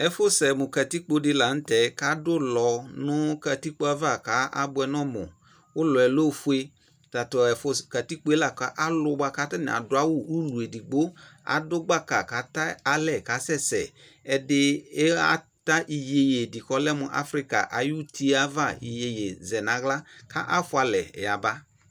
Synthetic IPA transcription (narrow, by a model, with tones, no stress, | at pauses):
ɛ˨fʊ˦sɛ˨mʊ˨ka˨ti˦k͡po˦dɪ˧la˨n̩˦tɛ˨˦ka˨˦dʊ˦lɔ˨nʊ̃˦ka˧ti˦k͡po˧˦a˧va˦˨ka˨˦ʔa̰˦bʊ˧ɛ˧nɔ˦mʊ̰˨ | ʊ˦lɔ˨ɛ˨lo˦˨fu˦e˧ | ta˨tɔ˨ɛ˨fʊ˧ska˨ti˦k͡po˦e˦la˨ka˨˦ʔa˦lʊ˧ɡ͡ba˧ka˨˦ta˦nɪ̰˨a̰˨dʊ˨˦a˦wʊ˦˨u˦lu˨e˨di˨ɡ͡bo˦a̰˨dʊ˦ɡ͡ba˦ka˨ka˨˦ta˦a˦lɛ˦˨ka˨˦sɛ˦˨sɛ̰˨ | ɛ˨dɪ˧˦a˦ | ta˦ʔi˨je˧je˨di˨kɔ˦lɛ˦mʊ˧ʔa̰˦fɾi˦ka̰˨ʔa̰˨ju˦tʰi˦a˦va˦˨i˨je˨je˨zɛ˨nã˨˦ɣla˦ka̰˦ʔa˦fʊ˦a˧lɛ̰˨ja˨ba˦